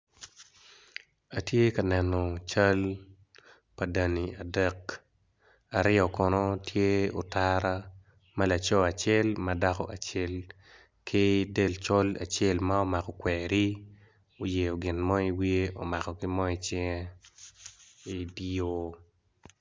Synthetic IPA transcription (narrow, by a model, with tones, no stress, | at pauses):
a˨tje˦ka˨nɛ˨nɔ˨t͡ʃa˦l | pa˨da˨ni˨a˨dɛk | a˨ɾɪɔ˨kɔ˨nɔ˦tʰje˦o˨taɾa˦ | ma˦la˨t͡ʃɔ˦a˨t͡ʃɛ˦lmada˦kɔ̰˦ʔa˨t͡ʃɛ˦l | kʰɪ˦de˨lt͡ʃɔ˦la̰˨t͡ʃɛ˦lma˦o˦ma˨kɔ˨kwɛɾi˦ | o˨je˨o˨ɡɪ˨nmɔ˦i˦wi˦e˦o˨ma˨kɔ˨kɪ˦mɔ˦i˦t͡ʃɪ˦ŋɛ˦ | i˦di˦o˦